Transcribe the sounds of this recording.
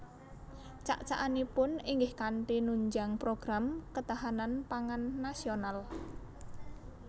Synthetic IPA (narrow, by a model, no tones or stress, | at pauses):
t͡ʃa̰ʔt͡ʃaʔanipʊniŋɡɪhkaɳʈinuɲd͡ʒaŋpɾoɡ̥ɾamkət̪aɦananpaŋanːasional